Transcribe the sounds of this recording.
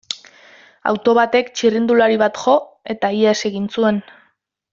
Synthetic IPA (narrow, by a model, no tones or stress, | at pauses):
a̰wt̪o̞βat̪e̞kt͡ʃirind̪ulaɾiβ̞at̪ʝo̞ | e̞t̪aiese̞ɣint͡sue̞n